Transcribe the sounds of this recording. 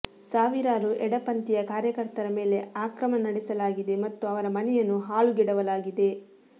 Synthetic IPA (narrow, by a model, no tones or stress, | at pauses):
saːʋiɾaːɾuʔɛɽɐpɐnt̪ijɐkaːɾjɐkɐɾt̪ɐɾɐme̞ːle̞aːkɾɐmɐnɐɽisɐlaːɡid̪e̞mɐt̪ːuɐʋɐɾɐmɐnɛjɐnːuɦaːɭuɡɛɽɐʋɐlaːɡid̪e̞